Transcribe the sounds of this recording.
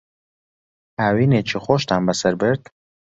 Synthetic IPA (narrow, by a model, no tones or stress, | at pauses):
aːwiːnet͡ʃʰixoːʃt̪aːmbɐsɐɾbɨɾd̪